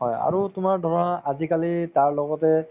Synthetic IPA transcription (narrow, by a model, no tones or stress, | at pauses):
ɦɔja̰ɹutʊmaɹdʱɔɹɔaʔazikalitaɹlɔɡɔtɛ